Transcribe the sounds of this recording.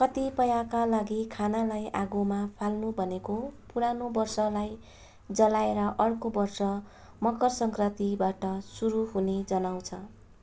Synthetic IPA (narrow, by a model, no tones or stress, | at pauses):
kʌt̪ipʌjakalaɡikʰanalajʔaɡomapʰalnubʱʌnekopuɾanobʌrsʌlaj | d͡zʌlaeɾʌʔʌrkobʌrsʌ | mʌkʌrsʌŋkrʌt̪ibaʈʌsuɾuɦuned͡zʌnaw̃t͡sʰʌ